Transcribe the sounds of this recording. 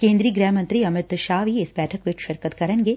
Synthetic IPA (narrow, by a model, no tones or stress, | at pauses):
kẽːnd̪ɾiːɡɾɛːɦmɐ̃nt̪ɾiɐmɪt̪ʃaːʋiɪsbɛːʈʰəkʋɪt͡ʃʃɐɾkət̪kɐɾənɡeː